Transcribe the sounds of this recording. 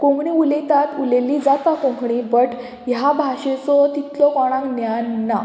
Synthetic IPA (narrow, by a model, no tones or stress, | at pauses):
kõŋɡɳiulet̪at̪ulelid͡zat̪akõŋɡɳibəʈ | jabʱaʂet͡sɔt̪it̪lɔkɔɽ̃ãŋknjanːa